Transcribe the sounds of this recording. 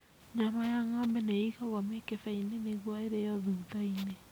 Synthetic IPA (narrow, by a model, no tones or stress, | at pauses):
ɲamajaŋɔmbɛneiɣaɣwamekefɛineneɣwɔeɾejɔðuːðaine